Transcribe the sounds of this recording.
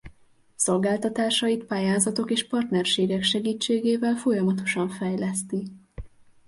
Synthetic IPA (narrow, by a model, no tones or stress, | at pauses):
so̞lɡaːlt̪ɒt̪aːʃɒjit̪paːjaːzɒt̪o̞keːʃpɒrt̪nɛrʃeːɡɛkʃɛɡiːt͡ʃːeːɡeːvɛlfo̞jɒmɒt̪o̞ʃɒɱfɛjlɛst̪i